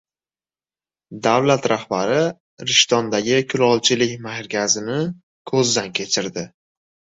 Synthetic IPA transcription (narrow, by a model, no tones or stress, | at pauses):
d̪awlat̪ɾahbaɾɪ | ɾɪʃt̪ɒnd̪aɡʲɪkʲʰʊlɒlˠt͡ʃʰɪlɪkʲmahɾɡʲazɪnɪ | kʰɵzd̪ankʲʰe̞t͡ʃʰɪɾd̪ɪ